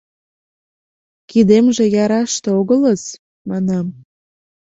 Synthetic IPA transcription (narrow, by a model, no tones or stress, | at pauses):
kid̪emʒĕjɑɾɑʃt̪eoɣələz | mɑnɑm